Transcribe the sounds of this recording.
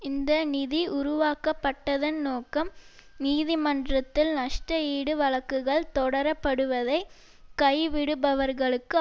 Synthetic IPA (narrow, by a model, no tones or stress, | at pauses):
ɪnd̪ɐnɪðiʔʊɾʊʋaːkɐpːɐʈːɐðɐnnoːkɐm | niːðɪmɐndrɐt̪ːɪlnɐʂʈɐiːɽɯʋɐɭɐkːɯɣɐɭt̪ɔɽɐɾɐpːɐɽɯʋɐðɐɪ | kɐɪʋɪɽɯbɐʋɐɾɣɐɭɯkːɯ